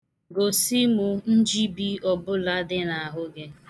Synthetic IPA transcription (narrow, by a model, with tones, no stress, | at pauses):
ɡo˨si˦mu˦n̩˦d͡ʒi˦bi˦ɔ˨bʊ˦la˦dɪ˦na˨a˨ɦʊ˦ɡe˦